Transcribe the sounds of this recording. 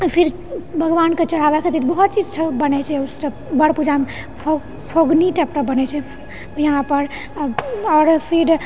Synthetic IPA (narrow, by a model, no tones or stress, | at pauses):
pʰiɾ | bʱəɡʋanket͡ʃəɽ̤abɛket̪it̪bəɦut̪̚t͡ʃid͡ʒsʰəbənɛt͡ʃʰɛusə | bəɽpud͡ʒame | pʰo | pʰoɡniʈəpʈəbənɛt͡ʃʰɛ | jəɦãpəɾ | ɔɾpʰiɾ